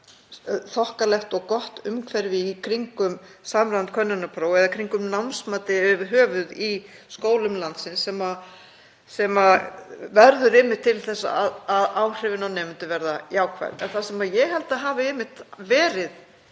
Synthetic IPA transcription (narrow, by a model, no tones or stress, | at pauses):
θɔhkalɛxt̪ɔɣkɔht̪ʏmkʰvɛɾvɪːkʰɾiŋkʏmsaːmɾaant̪kʰvœnːʏnapʰɾoːwɛðakʰɾiŋkʏmnawnsmaːt̪ɪʏvɦœːvʏði | skoːwlʏmlant̪sɪnsːɛma | sɛmavɛɾðʏɾɪmːɪht̪ʰːɪlθɛsːa̰aðaðaːwr̥ɪvɪnawnejmʏnt̪ɪvɛɾðajaːwkʰvɛ̰ɾɛ̰nθasɛmajɛɦɛlt̪aɦaːvɪɪmɪht̪vɛːɾɪð